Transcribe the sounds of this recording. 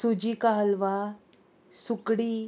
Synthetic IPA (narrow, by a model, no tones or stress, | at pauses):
sud͡ʑikaɦəlʋa | sukɽiː